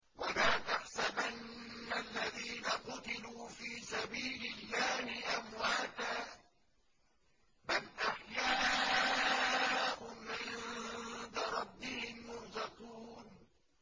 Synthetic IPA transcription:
walaːt̪aħsabʔanːalːaðiːnaqʊt̪ɪluːfiːsabiːlɪlːaːhɪʔamwaːt̪aː | balʔaħjaː | ʔʊʕɪnd̪aɾˤɑbːɪhɪmːʊɾzɪquːn

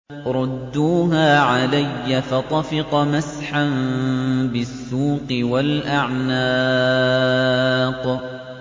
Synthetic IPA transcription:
ɾˤʊd̪ːuːɦaːʕalajːafat̪ˤɑfɪqɑmasħan | bɪsːuːqɨwalʔaʕnaː | q

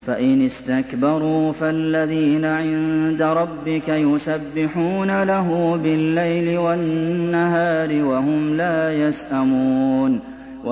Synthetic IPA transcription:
faʔɪnɪst̪akbɑɾˤuːfalːaðiːnaʕɪnnd̪aɾˤɑbːɪkajʊsabːɪħuːnalaɦʊbɪlːajlɪwanːaɦaːɾɪwaɦʊmlaːjasʔamuːn | wa

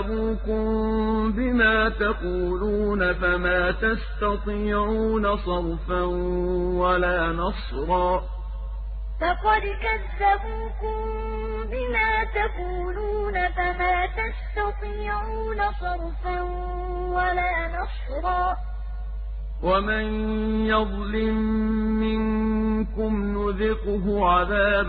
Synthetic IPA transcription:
buːkʊmbɪmaːt̪aquːluːnafamaːt̪ast̪ɑt̪ˤiːʕuːnasˤɑɾˤfanwalaːnɑsˤ | ɾˤɑː | fɑqɑd̪kazːabuːkʊm | bɪmaːt̪akuːluːnafamaːt̪ast̪ɑt̪ˤɪʕuːnasˤɑɾˤfan | walaːnɑs | ɾˤɑː | wamanjɑðˤlɪmːɪŋkʊmnʊðɪqʊɦʊʕaðaːb

